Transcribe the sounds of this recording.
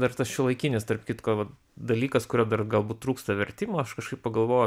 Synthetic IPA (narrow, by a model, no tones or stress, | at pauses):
d̪ɐrt̪ɐsʃʲɪlˠɐɪkʲɪnʲɪst̪ɐrpkʲɪt̪koːʋɐt | d̪ɐlʲiːkɐskʊɾʲɛd̪ɐrɡɐlˠbuːt̪̚t̪ɾuːkst̪ɐʋʲɛɾʲt̪ʲiːmoːɐʃkɐʃkɐɪppɐɡɐlˠʋoːj